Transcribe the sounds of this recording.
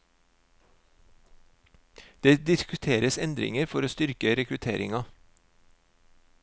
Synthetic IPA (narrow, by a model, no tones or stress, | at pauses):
d̪̥eːd̪ɪskʉt̪ʰeːɾəsɛnd̪ɾɪ̰ŋəɾfɔɾoːst̪ʏɾkəɾɛkɾʉt̪ʰeːɾɪŋɑ